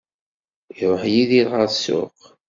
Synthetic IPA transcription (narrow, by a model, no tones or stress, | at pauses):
iˤoħjiðiɾʁəɾsʊ̰q